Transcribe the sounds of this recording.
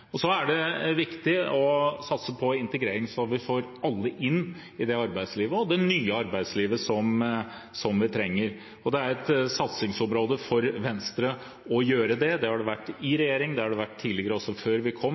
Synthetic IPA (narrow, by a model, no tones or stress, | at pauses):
ɔsɔæɖɛʋɪkt̪ɪɔsɑt̪səpʰɔɪnt̪əɡɾeːɾɪŋsɔʋɪfoːɾɑlːəʔɪnː | ɪd̪ɛɑɾbæɪsliːʋəɔd̪ɛnyːəɑɾbæɪd̪sliːʋəsɔm | sɔmʋɪt̪ʰɾɛŋːəɾ | ɔd̪ɛæɾɛt̪sɑt̪sɪŋsɔmɾoːd̪əfɔɾʋɛnst̪ɾə | ɔjøːɾəd̪ɛd̪ɛhɑɖɛʋæʈːɪɾɛjeːɾɪŋd̪ɛhɑɖɛʋæʈʰːiːlɪɡəɾəɔsːɔføːɾʋɪkʰɔmː